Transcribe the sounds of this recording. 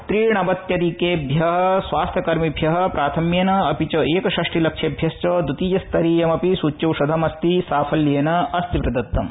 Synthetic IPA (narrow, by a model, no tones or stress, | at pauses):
t̪ɾiːɳɐbɐt̪jɐɾikeːbʱjɐɦɐsʋaːst̪ʰjɐkɐɾmibʱjɐɦɐ̆pɾaːt̪ʰɐmjeːnɐɐpit͡ʃoeːkɐʃɐʂʈilɐkʂebʱjɐst͡ʃɐːd̪ut̪iːjɐst̪ɐɾiːjɐmɐpisuːt͡ʃːɐʋʂɐd̪ʱɐmɐst̪isaːpʰɐljeːnɐɐst̪ipɾɐd̪ɐt̪ːɐm